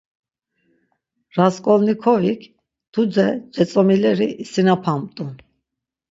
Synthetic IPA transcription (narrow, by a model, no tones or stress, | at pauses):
ɾaskʼɔlnikʰɔvikʰ | d̪̥ʰud͡zɛd͡ʒɛt͡sʼɔmilɛɾiʔːsinapʰamt̪ʼun